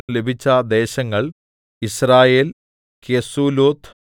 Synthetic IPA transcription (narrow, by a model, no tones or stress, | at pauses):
le̞bʱit͡ɕːɐd̪e̞ːɕɐŋːɐɭ | israːje̞ːl | kesuːloːt̪ʰ